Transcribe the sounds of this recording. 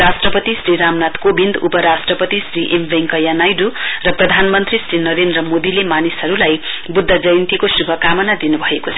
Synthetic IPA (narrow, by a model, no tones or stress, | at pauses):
ɾasʈrʌpʌt̪isɾiɾamnat̪kobind̪upʌɾasʈrʌpʌt̪isriʔembʱeŋkʌjanajdurʌprʌd̪ʱanmʌnt̪risrinʌɾend̪rʌmod̪ilemanisɦʌɾulajbud̪ʱːad͡zʌjnt̪ikosubʱʌkamʌnad̪inubʱʌekot͡sʰʌ